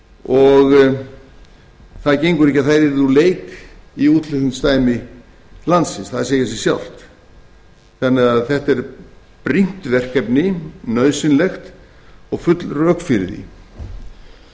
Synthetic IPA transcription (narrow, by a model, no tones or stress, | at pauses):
ɔɣ | θaðcejŋkʏɾɪhc̬ːaθejɾɪɾθuleːjkiuːt̪lɪhkʏnst̪aːjmɪ | lant̪sɪnsθaðseːjɪs̬ɛ̥sja̰wl̥t̪ | θanːɪɣaðθɛht̪ɛɾ | pɾin̥t̪vɛr̥kɛpnɪnœːðsɪnlɛxt̪ | ɔɣfʏt̪lrœkfɪɾɪ̰ððḭ